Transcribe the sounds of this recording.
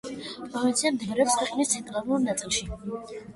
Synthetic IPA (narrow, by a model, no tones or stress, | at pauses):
pʼɔvint̪sʰiamd̪ivɾɛːpskʰwɛqʼnist̪sʰɛnt̪ʼɾaluɾnat̪sʼilˠʃi